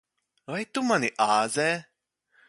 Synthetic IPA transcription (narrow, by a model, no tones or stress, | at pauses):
vajt̪umanʲiʔaːzɛː